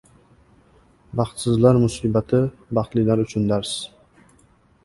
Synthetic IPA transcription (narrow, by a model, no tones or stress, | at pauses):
bɑχt̪sɪzlaɾmʊsiːbat̪ʰɪbɑχt̪lɪlaɾʊt͡ʃʰʊnd̪aɾs